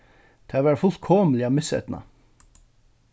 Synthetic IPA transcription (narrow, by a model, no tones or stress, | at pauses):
t̪ʰæːʋæːɾfʊlt̪kʰɔmlɪɑmɪshḛːt̪n̩ɑ̰